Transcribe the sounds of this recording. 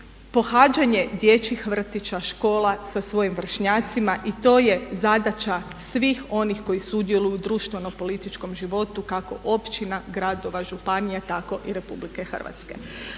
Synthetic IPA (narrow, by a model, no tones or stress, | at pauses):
po̞xaːd͡ʒaɲe̞d̪je̞t͡ɕixʋr̩t̪it͡ʃaʃko̞ːlˠasasʋo̞jimʋr̩ʃɲaːt̪simaʔit̪o̞ːje̞zad̪at͡ʃasʋixo̞nixko̞jisud̪jelˠujud̪ɾuːʃt̪ʋe̞no̞po̞lit̪it͡ʃko̞mʒiʋo̞t̪ukako̞̰ʔo̞pt͡ʃinaɡɾad̪o̞ʋaʒupanijat̪ako̞ʔiɾe̞publikexr̩ʋa̰t̪ske̞̰